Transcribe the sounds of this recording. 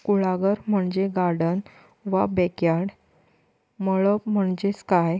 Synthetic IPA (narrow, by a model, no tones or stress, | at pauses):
kuɭaɡəɾm̤əɳd͡ʑeɡaɽən | ʋabɛkjaɽ | məɭəpm̤əɳd͡ʑeskaj